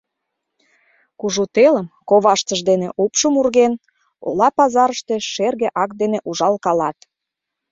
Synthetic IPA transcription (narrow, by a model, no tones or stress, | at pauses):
kuʒut̪eləmkoβɑʃt͡səʒd̪enḛʔopʃəmurɣen | o̰lɑpɑzɑɾəʃt̪eʃerɣĕʔɑkd̪eneʔuʒɑlkɑlɑt̪